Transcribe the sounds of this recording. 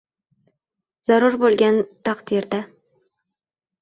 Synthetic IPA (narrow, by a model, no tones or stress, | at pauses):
z̥ɑɾuɾbolˠɡʲant̪ʰɑqt̪iɾd̪a